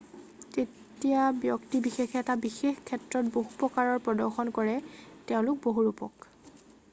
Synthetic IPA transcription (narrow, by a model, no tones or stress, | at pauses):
te | tijabjɔktibixexɛtabixexkʰːɛtɹɔtboɦupɹɔkaɹɔɹpɹɔdɔɹxɔnkɔɹɛtɛʊ̃lʊk̚boɦuɹupɔ̰k